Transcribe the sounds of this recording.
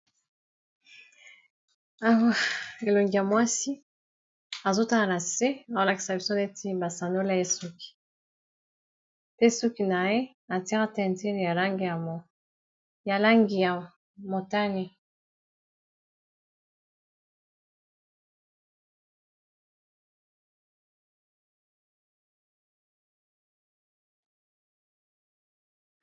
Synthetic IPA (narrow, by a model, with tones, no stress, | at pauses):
a˦˨wa˨e˨lo˨ŋɡi˨ja˨mwa˦si˦ | a˨zo˦ta˦la˨na˨se˦a˨zo˦la˨ki̥˨sa˨bi˨so˦ne˦tʰi˦ba˨sa˨no˦la˦je˦su˦ki̥˨ | pe˦su˦ki˨na˨je˦ | a˨ti˦ɣa˦tɛ˦˨nte˦ni˨ja˨la˦ŋɡi˨ja˨m˨ | ja˨la˦ŋɡi˨ja˨ | mo˨ta˦ni˦